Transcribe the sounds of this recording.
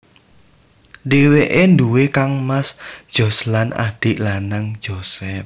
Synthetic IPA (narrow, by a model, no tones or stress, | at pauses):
ɖeweʔend̪uwekaŋmasd̥ʒ̥ɔ̤slana̰d̪̥i̤ʔlanaŋ̥d͡ʒ̥osɛf̚